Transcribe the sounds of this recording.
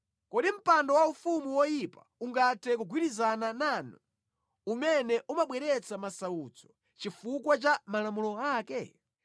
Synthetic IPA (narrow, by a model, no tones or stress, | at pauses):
kɔɗim̩pandɔwaufumuwɔjipa̰uŋɡatʰɛk̬uɡʱwiɾizananaːnɔ | umɛnɛʔumaɓwɛɾɛt͡samasauːt͡sɔ̥ | t͡ʃifukwat͡ʃamalamulɔaːkɛ